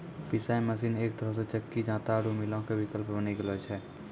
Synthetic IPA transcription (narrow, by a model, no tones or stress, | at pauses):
pɪsaːẽməsiːneːk̚t̪əɾəs̬et͡ʃəkːid͡ʒãːt̪aɾumɪlõkeʋɪkəlpbəniɡəlot͡ʃʰɛː